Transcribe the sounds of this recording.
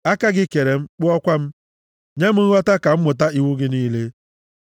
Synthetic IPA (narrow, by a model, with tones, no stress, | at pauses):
a˦ka˦ɡɪ˦ke˨ɾe˨m̩˦k͡pʊ˦ɔ˦kʷa˦m̩˦ | ɲe˦m̩˦ŋ̩˦ɔ˦ta˦ka˨m̩˦mʊ˨t̬a˦i˨wu˦ɡɪ˦niː˦le˦